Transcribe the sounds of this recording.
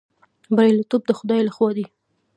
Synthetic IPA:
baɾilat̪ob̚d̪əxʊd̪ɑjlaxwɑd̪i

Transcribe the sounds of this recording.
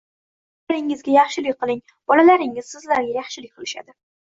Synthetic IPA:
aɾɪŋɪzɡʲajɑχʃɪlɪk̚ʲqʰɨlˠɪŋ | b̥ɒlalaɾɪŋɪz̥sɪzlaɾɡʲajɑχʃɪlɪk̚ʲqʰɨlɪʃa̰d̪ɪ

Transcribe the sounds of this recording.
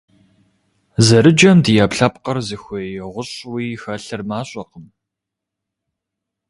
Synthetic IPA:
zɐɾɨd͡ʒɐmdijapɬɐpqɐrzɨxʷɔjɛʁʷʊɕwiːxɐɬɨrmaːɕʼɔqəm

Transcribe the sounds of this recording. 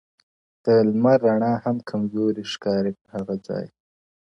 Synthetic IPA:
d̪̥əlmaɾːaɳɑhamkʰamzoɾiʃkɑːɾepəhaɣad͡zɑ̰ːj

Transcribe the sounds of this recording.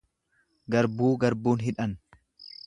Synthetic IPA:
ɡɐɾbuːɡɐɾbuːnɦɪᶑɐn

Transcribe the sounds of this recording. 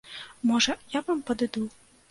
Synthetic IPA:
mɔʐɐjavampɐd̪ɨd̪u

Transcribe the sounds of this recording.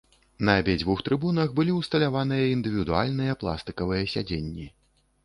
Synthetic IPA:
nɐːbʲɛd͡zʲvuxt̪ɾɨbunɐxbɨlʲiwst̪ɐlʲavanɨjɐind̪ɨvʲiwd̪ua̰lʲnɨjɐplˠa̰st̪ɨkɐvɨjɐsʲad͡zʲenʲːi

